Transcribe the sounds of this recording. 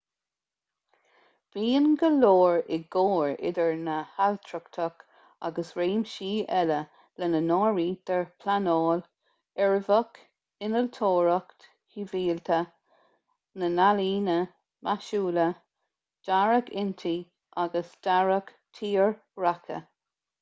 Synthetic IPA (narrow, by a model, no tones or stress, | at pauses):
v̥iːnɡəloːɹɪɡoːɹɪ̰d̪əɹnəhalt̪ʰɹəkt̪ʰək | a̰ɡəsɹeːmʃiːʔɛlə | lənənɔːɹiːd̪̥əɹpʰlanoːl | ɛɹvək | ɪnəlt̪ʰoːɹəkt̪ | hiviːlt̪ʰə | nənaliːnə | mʔaʃuːlə | d̥aɹəkʰɪnt̪ʰi | ʔaɡəsd̥aɹək | t̪ʰiːɹ | ɹakʰə̰